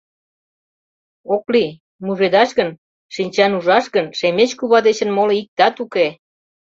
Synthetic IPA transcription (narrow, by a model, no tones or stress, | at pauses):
okli | muʒed̪ɑʃɣən | ʃinʲt͡ɕɑnuʒɑʃɣənʃemet͡ɕkuβɑd̪et͡ɕə̆nmoleik̚t̪ɑt̪uke